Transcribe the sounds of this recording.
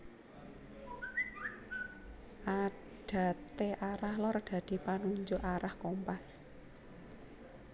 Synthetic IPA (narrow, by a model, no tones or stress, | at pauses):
ʔa | ɖ̥a̤t̪eʔaɾahlɔrɖ̪̥ä̤d̪̥i̤panuɲd͡ʒʊʔaɾahkompas